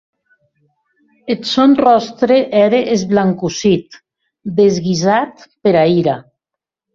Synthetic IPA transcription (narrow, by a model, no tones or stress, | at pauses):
et̪sonrɔst̪ɾeʔɛɾeʔezβlaŋkusit̪ | d̪ezɣizat̪peɾaiɾa